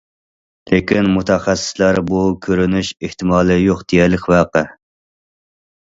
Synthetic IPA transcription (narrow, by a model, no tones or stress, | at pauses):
lɪkʲinmut̪ʰɛχɛsːɪ̥slæɾbukʲʰøɾynyʃeht̪ɪmɑːlˠɨjoχd̪̥eɡɛɾlɪkʲvæːqə